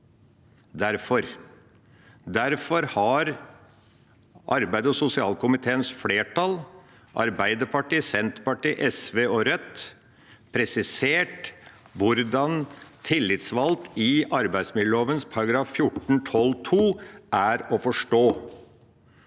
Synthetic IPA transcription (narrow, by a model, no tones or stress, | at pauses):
d̪æɾfɔɾ | d̪æɾfɔɾhɑɾ | ʔɑ̰ɾbæɪd̪əɔsʊsɪɑːlkʊmɪt̪ʰeːənsfleːʈɑl | ʔɑ̰ɾbæɪd̪əɾpʰɑʈiːsɛnt̪pɑʈiːʔɛsʋeːɔɾœt̪ | pʰɾɛsɪseːʈ | ʋʊɾd̪ɑnt̪ʰɪlːɪt̪sʋɑlt̪ɪɑɾbæɪd̪smɪd̪ləoːʋənspʰɑɾɑɡɾɑːffjʊʈːɳ̩t̪ʰɔlt̪ʰuːʔæːɾɔfɔʂʈoː